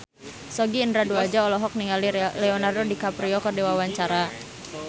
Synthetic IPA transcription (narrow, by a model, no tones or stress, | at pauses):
sɔɡiːndɾaduad͡ʒaɔlɔɦɔk̚niŋalilɛɔnardodikapɾiɔkɔrdewawaɲt͡ʃaɾa